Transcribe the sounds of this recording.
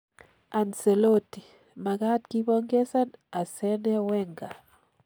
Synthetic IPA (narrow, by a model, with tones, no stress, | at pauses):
a˨nse˨lo˦ti˨ | ma˨ka˦t̚ki˦bɔŋɡe˦sa˦na˨sɛ˦nɛ˦wɛ˦ŋɡa˨